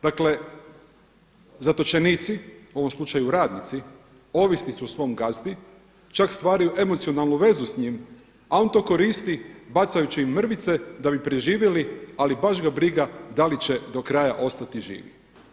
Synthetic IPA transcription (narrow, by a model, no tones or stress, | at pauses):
d̪akle | zat̪o̞t͡ʃe̞niːt̪siuo̞ʋo̞mslˠut͡ʃajuɾaːd̪nit̪si | o̞ʋisnisuusʋo̞mɡast̪i | t͡ʃakst̪ʋaːɾajuʔe̞mot̪sionalˠnuʋe̞zusɲim | ao̞nt̪o̞ːko̞ɾiːst̪ibat̪sajut͡ɕiimːr̩ʋit̪se̞d̪abipɾeʒiːʋjelialibaʃɡabɾiɡad̪alit͡ɕe̞d̪o̞kɾajaʔo̞st̪at̪iʒḭːʋḭ